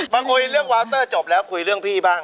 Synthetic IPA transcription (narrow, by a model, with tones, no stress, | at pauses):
ba˧ŋkʰu˧jɾɯ˥˩əŋ̚waː˦˥wt̪ɤː˥˩t͡ɕɔː˨˩p̚lɛː˦˥wkʰu˧jɾɯ˥˩əŋpʰiː˥˩baː˥˩ŋ